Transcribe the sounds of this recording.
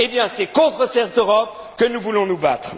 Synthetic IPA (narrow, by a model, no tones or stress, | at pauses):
ebjɛ̃sɛkɔ̃t̪χəsɛʁt̪øʁɔp̚ | kənuvulɔ̃nubat̪χ